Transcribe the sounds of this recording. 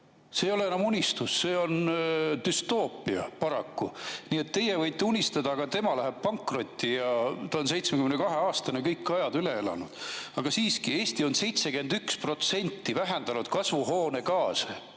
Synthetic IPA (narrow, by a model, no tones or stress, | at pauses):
sejo̞leenɑmunʲist̪usːe̞ːo̞nd̪̥yst̪oːpːˑiɑ̰pɑɾɑkːuniːe̞t̪ːe̞jevɤjt̪ːˑeunʲist̪ɑd̪ɑːɡ̥ɑt̪e̞mɑlæɦeb̥̚pɑŋkˑro̞t̪ʲˑːijɑt̪ɑons̬e̞jt̪smekymnekɑɦe̞ɑːst̪ɑnekɤjkːˑɑjɑd̪yleelɑ̰nud̪̥ɑɡ̥ɑsiːskie̞ːst̪io̞nse̞jt̪se̞ke̞nd̪ykspro̞t̪se̞nʲt̪ːivæɦend̪ɑnud̪̥kɑsvuɦo̞ːnekɑːse